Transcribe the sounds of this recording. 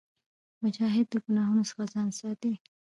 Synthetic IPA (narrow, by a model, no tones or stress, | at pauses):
mʊʃɑɦɪd̪̚ːəɡunɑɦunosə̥xazɑnsɑt̪i